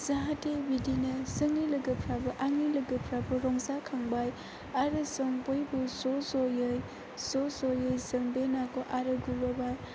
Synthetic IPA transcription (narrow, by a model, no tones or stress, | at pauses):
zaɦatebidinɐsɯŋnilɐɡɐpʰɾabɐʔaŋnilɐɡɐpʰɾabɐɾɔŋsakʰaŋbaj | aɾɯsɔŋbojbusosɔjɯj | sosojɯjsɯŋbenakɔʔaɾɯɡubɔbaj